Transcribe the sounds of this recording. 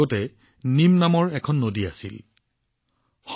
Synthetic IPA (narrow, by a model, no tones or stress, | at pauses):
ɔtɛ | nimnamɔɹɛkʰɔnːodiasil | x